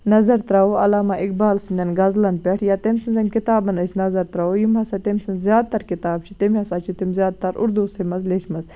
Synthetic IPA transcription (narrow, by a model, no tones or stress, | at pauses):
nɐzɐɾt̪ɾɐoɐlaːmɐʔik̚baːlsinɐnɡɐzlɐnpʲɛʈʰjaːt̪emʲsɨnzɐmʲkit̪aːbɐnɐsʲnɐzɐɾt̪ɾɐojimɦɐsɐt̪emʲsinzjaːd̪̚t̪ɐɾkit̪aːbt͡ʃʰit̪emʲɐsaːt͡ʃʰit̪imzjaːd̪̚t̪ɐɾʔṵɾd̪uːsemɐzlet͡ʃʰmɐz